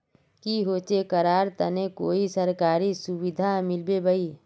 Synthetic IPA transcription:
kiɦoːt͡ʃekəɾaːɾt̪ənekoːisəɾkaːɾisʊwɪd̪ʱamɪlbebəi

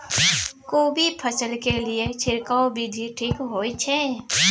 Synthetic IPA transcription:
koːbipʰəsəlkelɪet͡ʃʰɪɾkaobʱid̪ʱiʈʰiːkɦoːit͡ʃʰɛː

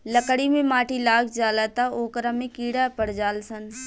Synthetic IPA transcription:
ləkɽimẽmaːʈilaːkd͡ʒaːlat̪aoːkɾamẽkiːɽapəɽd͡ʒaːlsən

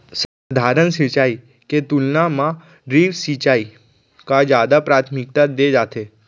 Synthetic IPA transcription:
s | d̪ʱaɾənsit͡ʃai | ket̪ulnamã | ɾiːʋsit͡ʃai | kad͡ʒjaːd̪apɾaːt̪ʰmɪk̚t̪ad̪ed͡ʒaːt̪ʰe

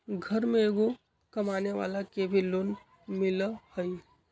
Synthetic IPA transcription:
ɡʱəɾmẽeːɡo | kɐmaːneʋa̰ːlakebʱiloːn | mɪləhəi

